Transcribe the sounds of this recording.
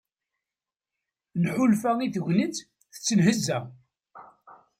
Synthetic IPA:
nħulfæiθəʝʷnət͡s | θə̥t͡sːənɦəzːæ

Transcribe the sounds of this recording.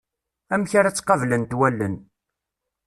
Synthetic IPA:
æmçaɾæt͡sːqɑvlənt̪wælːən

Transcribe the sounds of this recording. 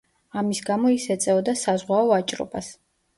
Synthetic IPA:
amisɡamɔisɛt̪sʼɛɔd̪asazʁwaɔat͡ʃʼɾɔ̰bas

